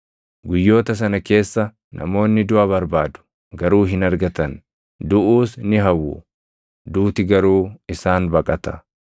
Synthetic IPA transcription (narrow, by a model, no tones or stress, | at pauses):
ɡʊjːo̞ːt̪ɐs̬ɐnɐke̞ːsːɐ | nʔɐ̰mo̞ːnːɪd̪ʊʔɐβɐɾbaːd̪ʊ̥ | ɡɐɾuːɦɪnɐɾɡɐt̪ɐn | d̪ʊʔuːsnɪɦɐwːʊ̰ | d̪uːt̪ɪɡɐɾuːɪsaːnbɐkʼɐt̪ɐ̥